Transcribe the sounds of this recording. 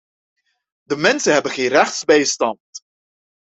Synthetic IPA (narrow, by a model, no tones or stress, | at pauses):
dəmɛnsənɦɛbənχeːnrɛχtsbɛjstɑnt